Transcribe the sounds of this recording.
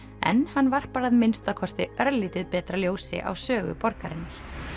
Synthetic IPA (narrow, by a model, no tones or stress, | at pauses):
ɛ̰nhanːvar̥paːɾaðmɪnst̪akʰɔst̪ɪœɾlːiːt̪ɪðpɛːt̪ɾaljoːwsɪ̰ʔa̰wsœːɣʏ̰pɔɾkaɾɪnːaɾ̥